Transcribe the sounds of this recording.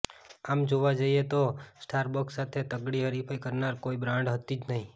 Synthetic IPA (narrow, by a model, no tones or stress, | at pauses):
amd͡ʒoʋad͡ʒaiet̪osʈʰaɾbəksat̪ʰet̪əɡɽiɦəɾipʰajkəɾnaɾkoibɾãɳɖɦət̪id͡ʒnəɦĩ